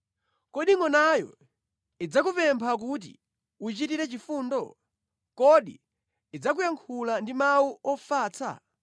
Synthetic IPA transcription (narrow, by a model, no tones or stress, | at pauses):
kɔɗiŋɔnajɔ̰ | id͡zakupɛmpʰak̬ut̬ḭ | ut͡ʃitiɾɛt͡ʃifuːndɔ | kɔɗḭː | d͡zak̬ujaŋkʰulandimawuɔfaːt͡sʰa̰